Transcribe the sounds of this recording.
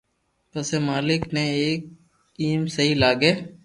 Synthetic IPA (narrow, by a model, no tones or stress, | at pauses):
pəseːmaːlɪkneːeːk̚ | iːmsəɦiːlaːɡeː